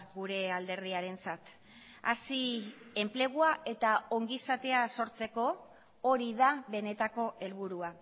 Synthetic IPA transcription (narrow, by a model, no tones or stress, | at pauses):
ɡuɾe̞ald̪e̞ɾðiaɾe̞nt͡sat̪ | a̰sie̞mple̞ɣuae̞t̪ao̞ŋɡisat̪e̞aso̞ɾt͡se̞ko̞ | oɾiðaβe̞ne̞t̪ako̞ʔe̞lβuɾua